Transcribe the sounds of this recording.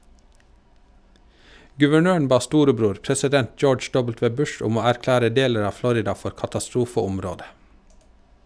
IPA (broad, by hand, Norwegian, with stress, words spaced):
ɡʉʋəˈɳøːɳ̩ ˈbɑː ˈstuːɾəˌbɾuːɾ pɾɛsɪˈdɛnt ˈd͡ʒoːd͡ʒ ˈɖɔbəlˌtʋeː ˈbʉʃ ˈʊm ˈoː æɾˈklæːɾə ˈdeːləɾ ˈɑː ˈflɔɾɪdɑ ˈfɔɾ kɑtɑˈstɾuːfəʊmˌɾoːdə